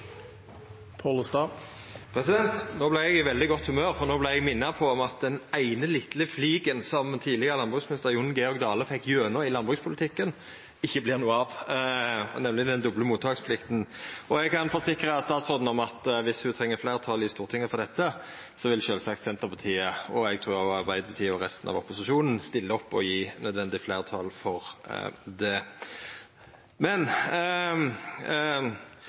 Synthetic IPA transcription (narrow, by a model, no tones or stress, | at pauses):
pʰɑlst̪ɑː | pʰɾɛsɪd̪ɛnt̪noːblɪːʁɛɡɪʋɛld̪ɪɡɔt̪ːhʉmøːʁfɔʁnoːblɪʁɛɡmɪnːɑpʰɔɔmɑt̪̚d̪ɛnæɪnəlɪt̪ləfliːɡənsɔmt̪ʰiːd̪lɪɡəʁəlɑnbʁʉːɡsmɪnɪst̪əɾjʊnɡɛɔɾɡd̪ɑːləfɛkːjøːnəɪlɑnbʁʉːkspʰʊlɪt̪ʰɪkːən | ɪçːəblɪːʁnuːəɑʋ | nɛmlɪd̪ɛnd̪ɔbləmuːt̪ʰɑːkspʰlɪkt̪n̩ɔɛɡkʰɑnfɔsɪkɾəst̪ɑːt̪sʁɔːd̪n̩ɔmɑt̪ʋɪshʉt̪ʰʁɛŋːəflæːʁət̪ʰɑljɪst̪uːʁt̪ʰɪŋːəfɔʁd̪ɛt̪ːə | sɔʋɪlʃøːlsɑkt̪sɛnt̪əʁpʰɑʁt̪ʰiːəɔɛɡ̚t̪ʰʁʉːʁɑʁbæɪd̪əpʰɑt̪ʰiːɔʁɛst̪ən̩ɑ̰ʋɔpːʊsɪʃuːnn̩st̪ɪlːəɔpːɔjiːnœd̪ʋɛnd̪ɪflæːʁət̪ʰɑlfɔʁ̰d̪ɛ | mɛn